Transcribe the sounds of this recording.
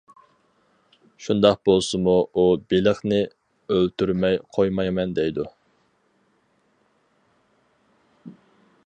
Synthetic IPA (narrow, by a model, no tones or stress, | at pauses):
ʃund̪ɑq̚bolˠsɨmuubelɪχnɪ | ølt̪yɾmɛjqʰojmɑmɛnd̪ɛjd̪u